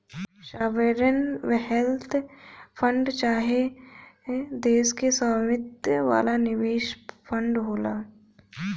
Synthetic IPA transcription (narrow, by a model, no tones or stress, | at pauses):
ʃaːʋeɾənʋɦɛlt̪ʰpʰə̃ɳɖt͡ʃaːɦe | d̪eːskesəmɪt̪ʋa̰ːlanɪʋeːʃpʰə̃ɳɖɦoːlaː